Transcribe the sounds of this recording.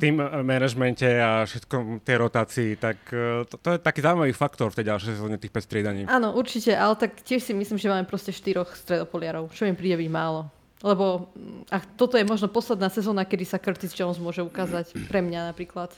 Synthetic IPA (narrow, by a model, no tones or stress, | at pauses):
ft̪imːɛnaʒmɛncɛafʃɛt̪kɔmt̪ɛjɾɔt̪aːt͡siːt̪akt̪ɔt̪ɔjɛt̪akiːzaːuimaʋiːfakt̪ɔɾft̪ɛjɟalʃɛjsɛzɔːɲɛt̪iːxpɛcst̪ɾɪɛd̪aɲiːaːnɔʔuɾt͡ʃicɛʔalɛt̪akcɪɛʃsimisliːmʒɛmaːmɛpɾɔscɛʃt̪iɾɔxst̪ɾɛd̪ɔpɔlɪaɾɔʊt͡ʃɔʋjɛmpɾiːɟɛbiɟmaːlɔ | lɛbɔakt̪ɔt̪ɔjɛmɔʒnɔpɔslɛd̪naːsɛzɔːnakɛd̪isakr̩t̪izd͡ʒɔɔnzmʊɔʒɛukaːzacpɾɛmɲanapɾiːklat̪